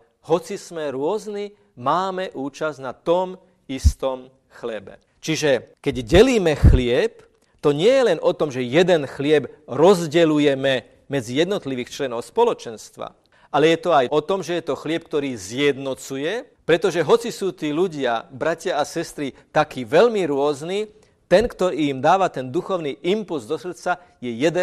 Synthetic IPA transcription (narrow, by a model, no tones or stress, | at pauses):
ɦɔt͡sizmɛɾʊɔzni | maːmɛʔuːt͡ʃaznat̪ɔm | ist̪ɔm | xlɛbɛ̰ | t͡ʃiʒɛkɛɟɟɛliːmɛxlɪɛp | t̪ɔɲɪɛjɛlɛnʔɔt̪ɔmʒɛjɛd̪ɛnxlɪɛbɾɔzɟɛlujɛmɛ | mɛd͡zijɛd̪nɔt̪liʋiːxt͡ʃlɛnɔʊspɔlɔt͡ʃɛnst̪ʋa̰ | alɛjɛt̪ɔajʔɔt̪ɔmʒɛjɛt̪ɔxlɪɛp̚kt̪ɔɾiːzjɛd̪nɔt͡sujɛ | pɾɛt̪ɔʒɛɦɔt͡sisuːt̪iːluɟɪabɾacɪaasɛst̪ɾit̪akiːʋɛʎmiɾʊɔzniː | t̪ɛnkt̪ɔiimd̪aːʋat̪ɛnd̪uxɔʊniːʔimpulzd̪ɔsr̩t͡sa | jɛjɛd̪ɛ